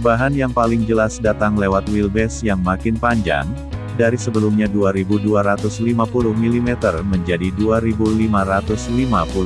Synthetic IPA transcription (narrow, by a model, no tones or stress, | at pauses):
baɦanjaŋpalɪŋd͡ʒəlasdat̪aŋlewat̪wilbɛsjaŋmakɪnpaɲd͡ʒa̰ŋ | daɾisəbəlumɲaduaɾibuduaɾat̪ʊslimapulʊhmilimɛt̪ərməɲd͡ʒadiduaɾibulimaɾat̪ʊslimapulʊ